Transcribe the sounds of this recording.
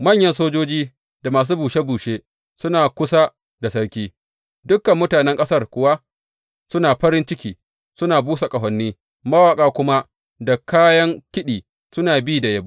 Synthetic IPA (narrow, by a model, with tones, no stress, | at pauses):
mɐ˦˨ɲjɐ˦nsoː˦d͡ʒoː˦d͡ʒiː˦ | da˨maː˨s̬uː˦buː˨ʃe˦buː˨ʃeː˦ | sʊ˦naː˨kʷʊ˦sa˦ | da˨sɐ˦ɽkʲiː˦ | dʊ˦kːɐ˨mːʊ˦taː˨nɛ˦ŋkʼɐ˦sɐ˦rkʷʊ˨wa˦ | sʊ˦naː˨ɸɐ˦ɾɪ˦nt͡ʃɪ˦kʲiː˨ | sʊ˦naː˨buː˦sa˨kʼɐ˨ɦɔ˨nːiː˦ | mɐ˦waː˨kʼaː˦kʷʊ˦ma˦ | da˨kaː˦jɐ˦ŋkʲɪ˦ɗiː˨ | sʊ˦naː˨bi˦˨da˨jɐ˦b